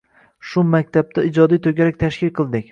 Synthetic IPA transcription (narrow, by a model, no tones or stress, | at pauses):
ʃʊmakʲt̪ʰab̚t̪ʰaɪd͡ʒɒd̪ijt̪ʰoɡʲaɾak̚ʲt̪ʰaʃkʲɪlqʰɨlˠd̪ɪkʲ